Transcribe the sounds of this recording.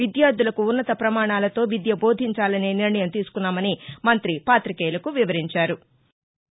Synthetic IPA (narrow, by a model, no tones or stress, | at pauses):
id̪jaːɾd̪ulɐkuːnːɐt̪ɐpɾɐmaːɳaːlɐt̪o̞ːʋid̪jɐbo̞ːd̪ʱiɲt͡ʃaːlɐneːniɾɳɐjɐmt̪iːsu̥kunːaːmɐnimɐnt̪ɾipaːt̪ɾikeːlɐkuʋiʋɐɾiɲt͡ʃaːɾu